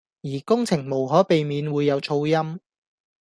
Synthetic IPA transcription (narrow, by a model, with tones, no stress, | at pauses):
jiː˨˩kʊ˥ŋt͡sʰɪ˨˩ŋmo˨˩wɦɔː˨˥pe˨jmiː˨˧nwuː˨˧jːɐ˨˧wt͡ʃʰo˧wjɐ˥m